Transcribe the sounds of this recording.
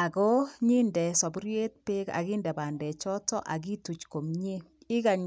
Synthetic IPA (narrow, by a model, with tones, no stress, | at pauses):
a˨ko˦ɲi˦ndɛ˨sɔ˨bɾje˦t̚pɪ˦ka̰˨ɡɪ˦ndɛ˨ba˨ndɛ˨t͡ʃɔ˦tɔ˦ʔa˨ɡi˦tu˨t͡ʃko˨mɲe˦ | ɪ˦ka˨ɲ